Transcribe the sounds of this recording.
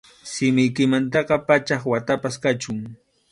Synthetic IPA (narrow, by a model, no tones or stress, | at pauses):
sɪmɪjkɪmant̪ɑqɑpat͡ʃɑχwat̪apaskat͡ʃʊŋ